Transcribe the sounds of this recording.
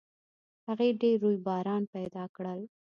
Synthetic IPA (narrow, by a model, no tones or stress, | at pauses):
haɣeɖeɾːujbɑɾɑnpajd̪ɑkɽəl